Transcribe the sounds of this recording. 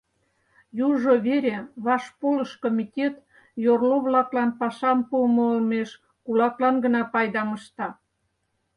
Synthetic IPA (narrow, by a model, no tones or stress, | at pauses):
juʒoβeɾʲeβɑʃpoləʃkomʲitʲet̪ | jorloβlɑklɑnpɑʃɑmpumoolmeʃ | kulɑklɑnɡə̆nɑpɑjd̪ɑməʃt̪ɑ